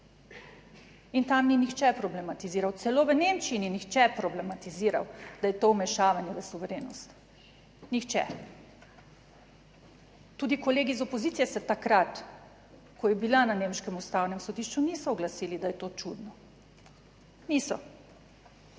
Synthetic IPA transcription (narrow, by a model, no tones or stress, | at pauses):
int̪amninixt͡ʃɛpɾɔblɛmat̪iziːɾawt̪sɛloːʋənemt͡ʃiininixt͡ʃɛpɾɔblɛmat̪iziːɾa̰wd̪̥ajɛt̪owmɛʃaːʋanjɛzasuʋɛɾeːnɔst̪ | nixt͡ʃɛ̰ | t̪uːd̪ikoleːɡizɔpozit̪sijɛsɛt̪akɾat̪ | kɔjɛbilananeːmʃkɛmust̪awnɛmsɔd̪iʃt͡ʃunisɔɔɡlasiːlid̪ajɛt̪ot͡ʃud̪nɔ | nisɔ